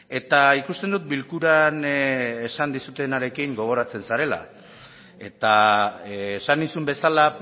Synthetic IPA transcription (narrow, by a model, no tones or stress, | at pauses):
e̞t̪aikust̪e̞nd̪ut̪̚bilkuɾanesand̪isut̪e̞naɾe̞kiŋɡo̞ɣ̞o̞ɾat͡se̞nsaɾe̞la̰ | e̞t̪aː | sanisumbe̞sala